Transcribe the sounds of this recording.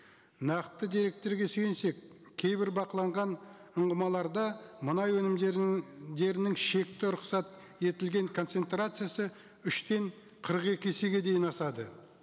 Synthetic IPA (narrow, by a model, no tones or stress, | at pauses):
nɑqt̪əd̪iɾe̞k̚t̪e̞ɾɡʲe̞søjense̞kʲʰː | e̞jbɪɾbɑqəlˠɑɴʁɑn | əɴʁəmɑlˠɑɾd̪ɑmənɑjwɵnɪmd̪e̞ɾɪnɪŋʃe̞kt̪ɪɾʊqsɑt̪ | e̞t̪ɪlɡʲe̞ŋkʰo̞nt̪se̞nt̪rat̪sɨjasə | ʏʃt̪e̞ɴ | qʰəɾəqe̞kʲɪeseɡʲe̞d̪e̞jɪnɑsɑd̪ə